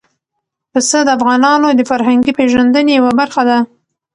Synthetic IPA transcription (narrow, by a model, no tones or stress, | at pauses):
pəsəd̪əafɣɑnɑnod̪əfaɾɦaŋɡipeʒand̪ənejawabaɾxad̪a